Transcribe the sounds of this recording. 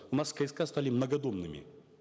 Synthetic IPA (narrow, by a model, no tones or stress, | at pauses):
ʊnaskɐjskast̪alʲɪmnɐɡɐd̪omnɨmʲɪ̰